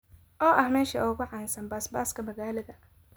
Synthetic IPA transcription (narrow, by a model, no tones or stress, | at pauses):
ʔɔːʔɐhmɛːʃɐʔʊɣʊʕɑːnsɐnbaːsbaːskʰɐmɐɣaːlɐðɐ